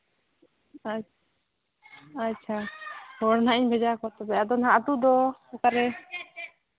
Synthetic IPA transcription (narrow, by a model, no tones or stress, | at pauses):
a | tːt͡ʃʰahɔɽnaʔiɲbʱɛd͡ʒakɔt̪ɛbɛad̪ɔnɦaʔd̪ud̪ɔakaɾɛ